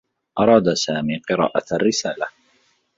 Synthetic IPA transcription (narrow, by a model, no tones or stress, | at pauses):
ʔɑɾˤɑːd̪asaːmiːqɨɾˤɑ̰ːʔaarːɪsaːla